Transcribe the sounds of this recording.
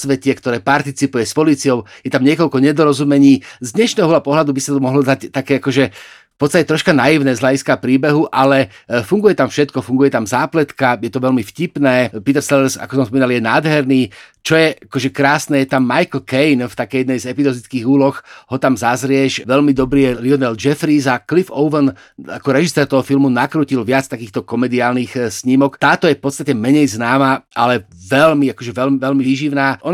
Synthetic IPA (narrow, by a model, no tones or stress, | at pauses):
sʋɛcɛkt̪ɔɾɛːpaɾt̪it͡sipujɛspɔliːt͡siɔʊjɛt̪amɲɪɛkɔʎkɔɲɛd̪ɔɾɔzumɛɲiːzd̪ɲɛʃnɛːɦɔɦɔlapɔɦlad̪ubisat̪ɔmɔɦlɔd̪act̪akɛːakɔʒɛfpɔt̪t͡sst̪acɛt̪ɾɔʃkanajiʊnɛːzɦlaɟiskapɾiːbɛɦuʔalɛfuŋɡujɛt̪amfʃɛt̪kɔfuŋɡujɛt̪amzaːplɛt̪kajɛt̪ɔʋɛlmifcipnɛːpit̪ɛɾsɛlɛɾsa̰kɔsɔmspɔmiːnaljɛnaːd̪ɦɛɾniːt͡ʃɔjɛʔakɔʒɛkɾaːsnɛjɛt̪amːajkl̩kɛjnft̪akɛjɛd̪nɛjzɛpizɔzit͡skiːɣuːlɔxɦɔt̪amzazɾɪɛʃʋɛlmid̪ɔbɾiːjɛliɔnɛld͡ʒɛfɾiːzaklifɔʊʋən | a̰kɔɾɛʒisɛːɾt̪ɔɦɔfilmunakɾuːcilʋɪat͡st̪akiːxt̪ɔkɔmɛd̪iaːlnixsɲimɔkt̪aːt̪ɔjɛfpɔt̪t͡st̪acɛmɛɲɛjznaːmaʔa̰lɛʋɛlmiakɔʒɛʋɛlmʋɛlmiʋiːʒiʋnaːʔɔn